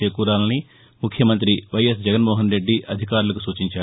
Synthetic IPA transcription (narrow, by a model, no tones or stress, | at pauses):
eːkuːɾaːlɐni | mukʰjɐmɐnt̪̬ɾiʋɐjesd͡ʒɛɡɐnmoːɦɐnɾe̞ɖːiʔɐd̪ʱikaːɾulɐkusuːt͡ʃiɲt͡ʃaː